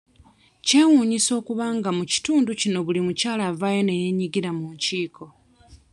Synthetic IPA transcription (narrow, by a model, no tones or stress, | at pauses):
ce̞ːwuːɲiso̞ːkuβaŋɡamuci̥tuːnducino̞βulimucaːlavaje̞ne̞je̞ɲiɡiɾamuɲciːkʰo̞